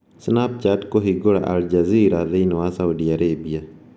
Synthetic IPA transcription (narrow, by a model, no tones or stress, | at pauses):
snap̚t͡ʃatkoɦiɡoɽa̰ʔa̰ld͡ʒaziːɾaðenwasawdiaɾeːbija